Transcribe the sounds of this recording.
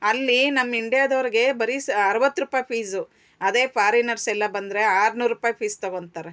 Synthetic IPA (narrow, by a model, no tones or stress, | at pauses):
ɐlːinɐmːiɳɖijaːd̪ɐʋɾiɡe̞bɐɾisɐɾɐʋɐt̪ːɾupaːjpʰiːsu | ɐd̪e̞ːpʰaːɾinɐɾsɛlːɐbɐnd̪ɾe̞aːɾnuːɾːupaːjpʰiːst̪ɐɡoɳɖt̪aːɾe